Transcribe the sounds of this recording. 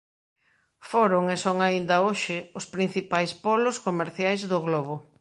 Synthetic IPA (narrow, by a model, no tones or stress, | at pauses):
foɾʊŋesoŋaind̪ɐoʃɪʊspɾin̟θipajspɔlʊskomeɾθjajzðʊɣlɔβʊ